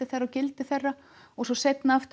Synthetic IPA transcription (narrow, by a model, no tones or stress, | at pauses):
ɪθɛrːaɔwcɪlt̪ɪθɛrːa | ɔɣsɔsejt̪naaft̪